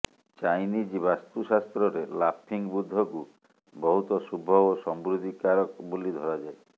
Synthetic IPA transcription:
t͡ʃajnid͡ʒbast̪usast̪ɾɔɾelapʰiŋbud̪ʱːɔku | bɔɦut̪ɔsubʱɔbosɔmbɾud̪ʱikaɾɔkbolid̪ʱɔɾad͡ʒae

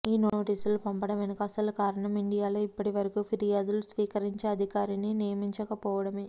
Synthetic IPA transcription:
iːnoːʈiːsulupɐmpɐɽɐmenɐkɐsɐlukaːɾɐɳɐmiɳɖijaːloːipːɐʈiʋɐɾɐkuːpʰiɾijaːd̪ulusʋiːkɐɾiɲt͡ʃeːɐd̪ʱikaːɾininijɐmiɲt͡ʃɐkɐpɔːʋɐɽɐme

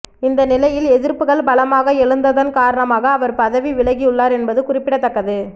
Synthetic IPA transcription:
ɪnd̪ɐnɪlɐjɪlɛðɪɾpɯɣɐɭbɐɭɐmaːɣɐɛɻɯnd̪ɐðɐnkaːɾɐɳɐmaːɣɐːʋɐɾpɐðɐʋiʋɪɭɐɣijɯɭːaːɾɛnbɐðɯkʊrɪpːɪɽɐt̪ːɐkːɐðɯ

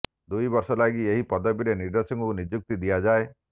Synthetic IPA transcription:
d̪ujbɔɾsɔlaɡieɦipɔd̪ɔbiɾeniɾd̪esɔŋkunid͡ʒuk̚t̪id̪ijad͡ʒae

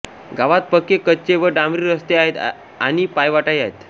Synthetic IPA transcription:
ɡaʋat̪̚pəkːekətːt͡ɕeʋəɾɖamɾiɾəst̪eaɦet̪ | añipajʋaʈajaɦet̪

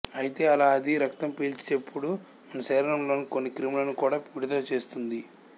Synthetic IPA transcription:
ɐjit̪e̞ːɐlaːɐd̪iɾɐkt̪ɐmpiːlt͡ʃit͡ʃepːuɽu | mɐnɐsɐːɾɐnɐmlo̞ːnukonːikɾimilɐnukuːɽaːpiːɽɐt̪oːt͡ʃe̞ːst̪und̪i

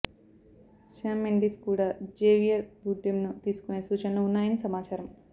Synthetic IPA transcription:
ʃaːmːeɳɖiskuːɽaːd͡ʒeːʋijɐɾbuɖːimnut̪iːsu̥kune̞ːsuːt͡ʃɐnɐloːunːaːjɐnisɐmaːt͡ʃaːɾɐm

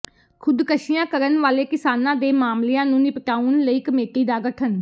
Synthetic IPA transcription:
kʰʊd̪kəʃɪjãːkəɾənʋaːleːkɪsaːnãːd̪eːmaːmleãːnũːnɪpʈaːunləiːkəmeːʈ̪iːd̪aːɡəʈʰən

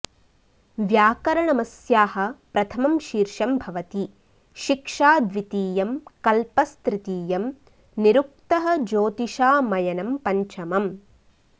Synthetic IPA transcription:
ʋjaːkɐɾɐɳɐmɐsjaːhɐ̆pɾɐt̪ʰɐmɐmʃiːɾʃɐmbʱɐʋɐt̪i | ʃikʂaːd̪ʋit̪iːjɐmkɐlpɐst̪ɾɪt̪iːjɐm | niɾuk̚t̪ɐɦɐ̆d͡ʒoːt̪iʃaːmɐjɐnɐmpɐɲt͡ʃɐmɐm

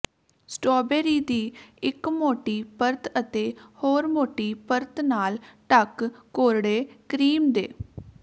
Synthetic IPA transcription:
sʈoːbeːɾiːd̪iːɪkmoːʈiːpəɾt̪ət̪eːhoːɾmoːʈiːpəɾt̪naːlʈəkːoːɾɽeːkɾiːmd̪ḛː

